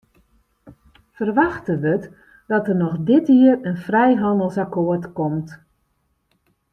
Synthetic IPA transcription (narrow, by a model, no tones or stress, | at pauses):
fərʋaxtəʋət | d̥ɔtərnɔxdɪtiərənfrɛjɦɑndəlˠsakoətkɔmt